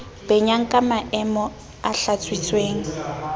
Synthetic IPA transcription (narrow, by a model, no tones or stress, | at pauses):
b̥ɛɲaŋ̩kʼamaʔɛmɔ | aɬat͡sʰʼwit͡sʼweːŋ̩